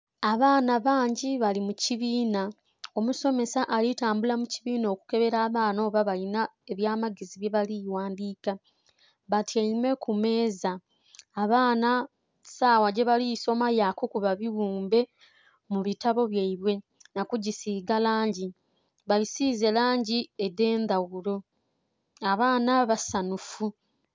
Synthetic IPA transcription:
aβaːnaβaːɲɟiβalimuciβiːna | o̞muso̞me̞saʔalitaːmbulamuciβiːno̞ːku̥ke̞βe̞ɾaːβaːno̞ːβaβalinae̞βjaːmaɡeziβje̞βaliwaːndiːka | βatjaimwe̞kume̞ːzaː | βaːna | saːwaɟe̞βalijso̞majaːkokuβaβiwuːmbe̞ | muβitaβo̞βjaiβwe̞ | nakuɟisiːɡalaːɲɟi | βalisiːze̞laːɲɟiede̞ːnd̪aɣuɾo̞ | aβaːnaβasanufu

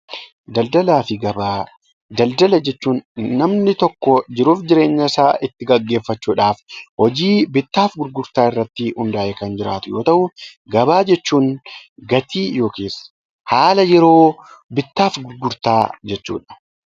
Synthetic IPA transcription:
d̪ɐld̪ɐlaːfɪɡɐbaː | d̪ɐld̪ɐlɐd͡ʒɛt͡ʃːuːnːɐmnɪt̪ɔkːɔd͡ʒɪɾuːfd͡ʒɪɾe̞ːɲːɐsaːʔɪt̪ːɪɡɐɡːe̞ːfːɐt͡ʃːuːᶑaːfhɔd͡ʒiːbɪt̪ːaːfɡʊɾɡʊɾt̪aːɪrːɐt̪ːɪhʊnd̪aːʔekɐnd͡ʒɪɾa̰ːt̪ʊjo̞ːt̪ɐʔʊɡɐbaːd͡ʒɛt͡ʃːuːŋɡɐt̪ʰiːjo̞ːkeːs | haːlɐjɛɾo̞ːbɪt̪ːaːfɡʊɾɡʊɾt̪aːd͡ʒɛt͡ʃːṵːᶑɐ̥

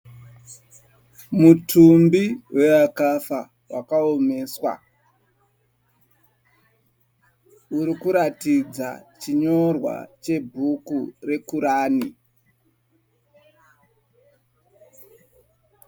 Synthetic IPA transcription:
mutʰumbiwe̞akafa | wʔa̰kaome̞ːswa̰ | uɾikuɾatid͡za̰t͡ʃiɲo̞rwa̰t͡ʃe̞bʱukure̞kuɾaːni

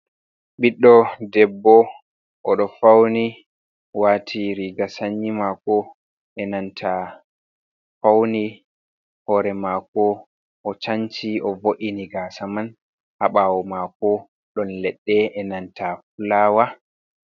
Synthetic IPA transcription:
ɓiɗːɔdɛbːɔ | ʔɔɗɔfawni | watʰiɾiɡasaɲːimakɔ | ʔɛnantʰa | fawni | hɔːɾɛmakɔ | ʔɔt͡ʃaɲt͡ʃiʔɔvoʔiniɡaːsaman | haɓawɔmakɔ | ɗɔnlɛɗːɛɛnantafulaːwa

